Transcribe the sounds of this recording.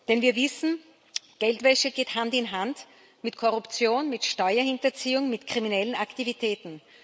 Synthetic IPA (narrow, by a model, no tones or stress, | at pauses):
d̥ɛnviːɐvɪsn̩ | ɡ̥ɛltv̥ɛʃəɡ̥eːthantɪnɦant | mɪtkʰɔʁʊpt͡sjoːnmɪtʃtɔʏɐhɪntɐt͡siːʊŋmɪtkʁ̥iminɛlənaktivitʰɛːtn̩